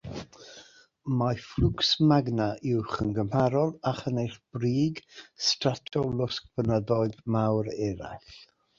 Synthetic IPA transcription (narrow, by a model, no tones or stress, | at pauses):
maflˠʊksmaɡnaʔɪwχənɡəmhaɾɔlˠaχənejχb̥riːɡstratʰɔlˠʊsk̚b̥ənəðɔɨðmawɾɛɾa̰ɬ